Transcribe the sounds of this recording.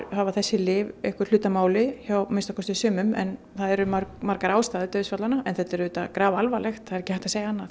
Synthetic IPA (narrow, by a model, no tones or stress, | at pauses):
haːvaθɛsːɪlɪːvɛhkʏɾ̥lʏːt̪amaːwlɪçawmɪnst̪akʰɔst̪ɪsʏːmʏmɛ̰n | θaðɛɾʏmaɾmaɾkaɾaːwst̪aːðɪt̪œɥðsfat̪lanaɛnθɛt̪ɛɾʏːt̪akɾaːvaalvalɛxt̪θaðɾɛcɪhajht̪aseːjaanːaθ